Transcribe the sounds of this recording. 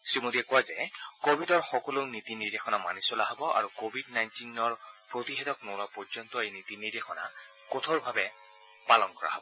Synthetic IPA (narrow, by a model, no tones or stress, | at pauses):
sɹimodiɛkɔwazɛkobʱidɔɹxɔkɔlonit̪inidexɔnama̰nisɔlaɦɔbɔa̰ɹukobʱidnajntinɔɹpɹot̪iɦɛtɔk̚nolapɔɹzɔnt̪ɔejnit̪inidexɔna̰ | kɔt̪ʰɔɹbʱabɛ | palɔnkɔɹa̰ɦɔbɔ